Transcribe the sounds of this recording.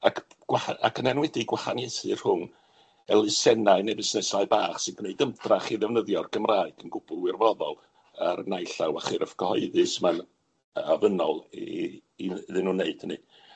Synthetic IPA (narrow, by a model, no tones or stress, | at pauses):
akʰ | ɡ̥wahaakʰənɛnwɛdiɡwahanjejθɨr̥hʊn | ɛlˠɪsɛnaɨnebɪsnɛsaɨbaːχsɪnɡ̥neɨdəmtraχiðɛvnəðjɔrɡ̥əmraːɨɡ̥ənɡʊbʊlˠɪrvɔðɔlˠ | arnajɬawaχɪrfkʰəhɔɨðɨsman | avənɔlˠ | iðɪnuneɨd̥nɨ̰